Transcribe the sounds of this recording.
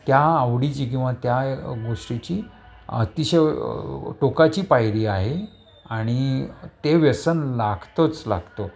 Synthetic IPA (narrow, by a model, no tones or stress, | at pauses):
t̪jaəʋɽit͡ɕiːk̬ĩw̃ʋat̪jaɡoʂʈit͡ɕiː | ə̰t̪iɕə | ʈokat͡ɕiːpajɽiːaɦe | aɽ̃it̪eʋjəsənlaɡʱt̪ot͡sla̰ɡʱt̪o